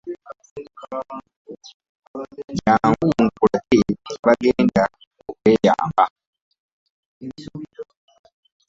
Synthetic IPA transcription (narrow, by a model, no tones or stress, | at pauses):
jaːŋɡuŋkulateβaɡeːnda | okweːja̰ːmba